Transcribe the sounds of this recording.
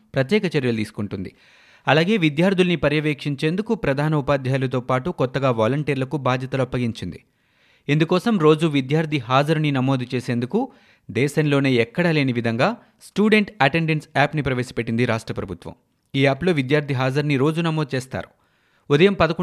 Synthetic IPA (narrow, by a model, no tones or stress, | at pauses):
pɾɐt̪̬jɛːkɐt͡ʃɐɾjɐlut̪iːsu̥kuɳʈund̪ḭ | ɐlaːɡe̞ːʋid̪jaːɾd̪ʱilɐnipɐɾjɐʋeːkʂiɲt͡ʃe̞ːnd̪ukupɾɐd̪ʱaːnɐupaːd̪ʱjaːlɐt̪o̞ːpaːʈukɔt̪ːɐɡaːʋaːlɐɳʈiːɾlɐkubʱaːd̪ʱjɐt̪ɐlopːɐɡiɲt͡ʃind̪i | end̪ukɔːsɐmɾo̞ːd͡ʒuʋid̪jaːɾd̪ʱiɦaːd͡ʒɐɾninɐmo̞ːd̪ʱut͡ʃe̞ːse̞ːnd̪uku | d̪ɛːʃɐnlo̞ːne̞ːɛkːɐɽaːle̞ːniʋid̪ʱɐŋɡaː | sʈuːɖe̞ɳʈɐʈeɳɖensaːpnipɾɐʋe̞ːsɐ̥peʈːind̪iɾaːʂʈɾɐpɾɐbʱut̪ʋɐ̰m | iːaːplo̞ːʋid̪jaːɾd̪ʱiɦaːd͡ʒɐɾniɾo̞ːd͡ʒunɐmoːd̪ut͡ʃeːst̪a̰ːɾu̥ | ud̪ɐjɐmpɐd̪ɐko